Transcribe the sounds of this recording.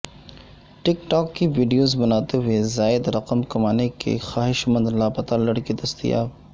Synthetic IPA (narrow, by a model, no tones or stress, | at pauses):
ʈɪkʈɔːkːiʋiːɖijoːzbɐnaːt̪eɦuezaːɪd̪ɾɐqəmkɐmaːnekḛxaːɦɪʃmɐ̃nd̪laːpɐt̪alɐɽkid̪ɐst̪ḭja̰ː